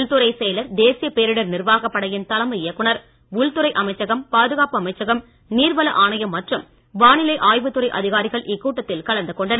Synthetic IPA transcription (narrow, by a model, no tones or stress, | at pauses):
ɭt̪ɯɾɐɪsɛːjlɐɾd̪eːsɪjɐpeːɾɪɽɐɾnɪrʋaːɣɐpːɐɽɐjɪnt̪ɐlɐmɐɪjɐkːʊɳɐɾ | ʊɭt̪ɯɾɐɪʔɐmɐɪt͡ʃːɐɣɐmpaːðɯɣaːpɯɐmɐɪt͡ʃːɐɣɐm | niːɾʋɐlɐʔaːɳɐjɐmːɐʈrɯm | ʋaːɳɪlɐɪʔaːjʋɯt̪ːɯɾɐɪʔɐ̰ðɪɣaːɾɪɣɐɭʔɪkːuːʈːɐt̪ːɪlkɐlɐnd̪ɯkɔɳɖɐnɐ